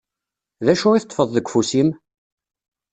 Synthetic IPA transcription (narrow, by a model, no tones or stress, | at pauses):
ðæʃʊɾiθət̪ˤːfəðˤðəɡʷːfusim